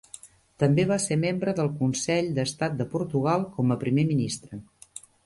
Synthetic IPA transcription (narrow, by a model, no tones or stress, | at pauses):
t̪əmbeβasemembɾəðəlˠkunsɛʎd̪əst̪at̪̚d̪əpuɾt̪uɣ̞alˠkɔməpɾimeminist̪ɾə